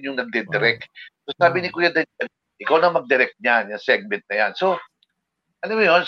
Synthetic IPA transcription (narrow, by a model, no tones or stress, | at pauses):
ɲʊŋnɐɡ̚d̪ɛd̪ɛɾɛk̚t̪̚sosaːbɪnɪkojad̪ɐɛ | ʔɪkawnɐŋmɐɡ̚d̪ɛɾɛk̚t̪̚ɲanjaŋsɛɡ̚mɛ̃nt̪̚nɐjanso̞ | ʔɐnomʊjon